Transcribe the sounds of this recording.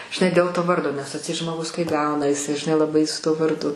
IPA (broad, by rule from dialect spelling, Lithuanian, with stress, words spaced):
ʒʲɪˈnɐɪ dʲeːlˠ toː ˈʋɐrdoː nʲɛs ɐtʲˈsʲɛɪt ʒmoːˈɡʊs kɐɪ ˈɡɐʊnɐ jɪˈsɐɪ ʒʲɪˈnɐɪ lˠɐˈbɐɪ sʊ tuɔ ʋɐrˈdʊ